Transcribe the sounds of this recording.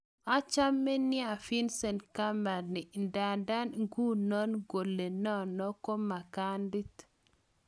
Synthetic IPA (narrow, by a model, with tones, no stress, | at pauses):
a˦t͡ʃa˦mːe˦ni˦a˨fi˦nsɛ˨nka˦ma˨ni˨nda˨nda˦nŋɡu˦nɔ˦nɡo˨lːe˨nɔ˦nɔ˦kɔ˦ma˨ka˦ndi˦t